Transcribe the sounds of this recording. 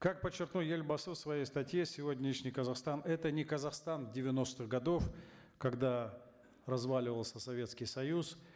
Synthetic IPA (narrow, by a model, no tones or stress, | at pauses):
kak̚pət͡ɕːɪrknulˠjelʲbɐsɨsvɐjejst̪ɐtʲjesʲɪvodʲnʲɪʂnʲɪjkəzɐxst̪anɛt̪ənʲɪkəzɐxst̪anvdʲɪvʲɪno̞st̪ɨɣɡɐd̪o̞f | kɐɡd̪a | rɐzvalʲɪvəlˠsʲəsɐvʲe̞t̪skʲɪjsɐjus